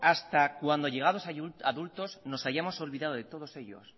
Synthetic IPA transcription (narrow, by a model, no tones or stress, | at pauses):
ast̪akwand̪o̞ʝe̞ɣ̞aðo̞sauaðult̪o̞sno̞saʝamo̞so̞lβiðað̞oðe̞t̪o̞ðo̞se̞ʎo̞̰s